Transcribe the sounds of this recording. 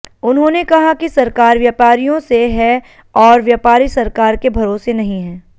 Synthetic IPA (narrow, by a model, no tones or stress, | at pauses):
ʊnɦõːnekɐɦakisɐɾkaːɾʋjaːpaːɾijõseɦɛ | ɔːɾʋjaːpaːɾisɐɾkaːɾkebʱɐɾoːsenɐɦĩɦɛ̃ː